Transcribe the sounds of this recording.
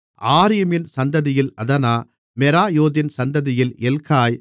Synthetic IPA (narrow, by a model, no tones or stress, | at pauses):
ʔaːɾɪjɐmɪnsɐnd̪ɐðɪjɪlɐðɐnaː | mɛɾaːjoːðɪnsɐnd̪ɐðɪjɪlɛlkaːj